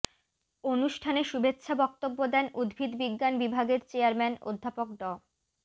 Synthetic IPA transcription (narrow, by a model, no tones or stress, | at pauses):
onuʃʈʰaneʃubetːɕʰabɔk̚t̪obːod̪ɛnud̪bʱid̪biɡːanbibʱaɡeɾt͡ɕeaɾmɛno̰d̪ʱːapok̚ɖɔ